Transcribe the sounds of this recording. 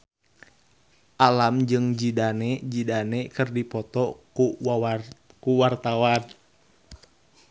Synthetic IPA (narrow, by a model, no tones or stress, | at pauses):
ʔalamd͡ʒɨŋd͡ʒidaned͡ʒidanekɨrdipɔt̪ɔku | kuwart̪awan